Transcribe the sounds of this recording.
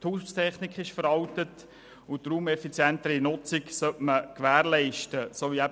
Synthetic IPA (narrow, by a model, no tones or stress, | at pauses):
t̪ʰhuːʃstʰɛχnɪkχɪʃfəɾɑwtət | ʊtruːmɛfit͡sjɛntəɾinʊt͡siksœtməkʋæːɾlɛɪʃtəsoːʋiæb